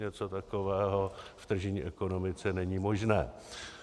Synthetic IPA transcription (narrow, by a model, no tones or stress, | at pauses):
ɲɛt͡so̞t̪ako̞vɛːɦo̞ft̪r̩ʒɛɲiːʔɛko̞no̞mɪt͡sɛnɛɲimo̞ʒnɛː